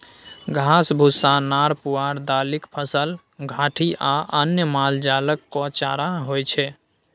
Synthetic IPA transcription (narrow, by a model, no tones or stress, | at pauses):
ɡʱasbʱusanaːɾpuaɾd̪aːlɪkpʰəsəl | ɡʱaːʈʰiʔaʔənjəmaːld͡ʒaːləkːɔt͡ʃa̰ɾaɦojt͡ʃʰɛ